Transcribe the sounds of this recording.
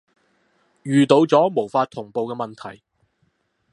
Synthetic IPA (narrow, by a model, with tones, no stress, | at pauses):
jyː˨t̪o˨˧wt͡sɔː˨˥mo˨˩wfaː˧t̚t̪ʰʊ˨˩ŋpo˨˧wkɛː˧mɐ˨nt̪ʰɐ˨˩j